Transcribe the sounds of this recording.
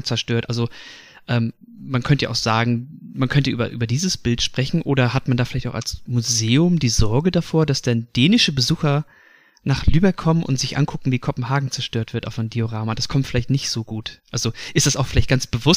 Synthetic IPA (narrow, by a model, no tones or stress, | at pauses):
t͡sɛɐʃtøːɐtʔalzo | ʔɛːmː | ankʰœntəja̰ʔaʊxz̥aːɡŋ̩mankʰœntəʔyːbɐ̰ʔy̰ːbɐdiːzəsb̥ɪltʃpʁ̥ɛçn̩ʔoːɾɐɦatmandaːfɪlaɪçtaʊxa̰lsmuzeːʊmdiːzɔɐɡədafoːɐdasd̥and̥eːnɪʃəbəzuːxɐ | naːχlyːbɛkʰːɔmənʔʊ̰ntz̥ɪçʔa̰nkʰʊkŋ̩viːkʰɔpm̩ɦaːɡŋ̩t͡sɛɐʃtøːɐtv̥ɪɐtʔaʊfɔndioʁaːmad̥askʰɔmtfɪlaɪçtnɪçtz̥oːɡuːtʔalzoʔɪstd̥asaʊxfɪlaɪçt̚ɡ̥ansb̥əvʊ